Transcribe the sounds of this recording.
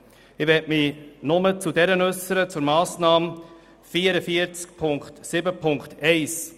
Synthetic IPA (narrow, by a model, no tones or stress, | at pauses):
ɪʋɛtminʊmət͡sudɛɾənʉsːəɾət͡sʊɾmɑːsnɑːm | fiːəɾəfiəɾt͡skpʰʊŋkχtsɪbəpʰʊŋkχtɛɪs